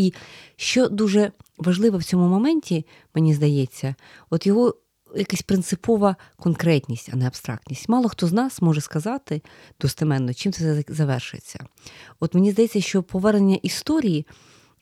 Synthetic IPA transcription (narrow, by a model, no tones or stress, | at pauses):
iʃt͡ʃɔd̪uʒɛʋɐʒlˠɪʋɛwt͡sʲɔmʊmɔmɛnʲtʲi | menʲizd̪ɐjɛt͡sʲːɐ | ɔt̪jɔɦɔ | jɐkasʲpɾɪnt̪sɪpɔʋɐkɔnkɾɛtʲnʲisʲtʲɐ̰nɛɐbst̪ɾɑ̰k̚tʲnʲisʲtʲmɑlˠɔxt̪ɔznɑsmɔʒɛskɐzɑt̪ɪ | d̪̥ɔst̪ɐmɛnːɔt͡ʃimt̪sɛzɐʋɛrʃʊjḛt͡sʲːɐ̰ɔt̪menʲizd̪ɐjeɛt͡sʲːɐʃt͡ʃɔpʰɔʋɛrnenʲːɐʔist̪ɔɾʲiji